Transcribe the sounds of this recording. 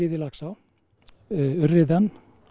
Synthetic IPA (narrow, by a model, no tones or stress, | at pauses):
ɪðɪlaksaw | ʏrɪðɛn